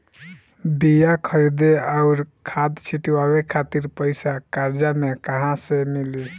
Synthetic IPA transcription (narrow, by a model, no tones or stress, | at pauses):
bijakʰəɾid̪eaʊɾkʰat̪t͡ʃʰiʈiwaβekʰat̪iɾpəɪsakaɾd͡ʒamekəɦãsemili